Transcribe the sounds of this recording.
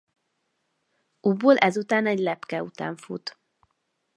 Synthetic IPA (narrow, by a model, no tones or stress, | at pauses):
uboːlʔɛzut̪aːnɛɟlɛpkɛut̪a̰ːɱfṵt̪